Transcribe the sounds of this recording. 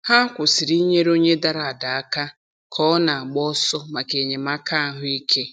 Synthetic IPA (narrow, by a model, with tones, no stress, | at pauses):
ha˦kʷʊ˨si˨ɾi˦ɲe˦ɾo˦ɲe˦da˦ɾa˨a˨da˨a˦ka˦ | kʰɔ˦na˨a˨ɡ͡bɔ˦sɔ˦ma˨ke˨ɲe˨ma˦kʰa˦ɦʊ˦i˦kʰe˦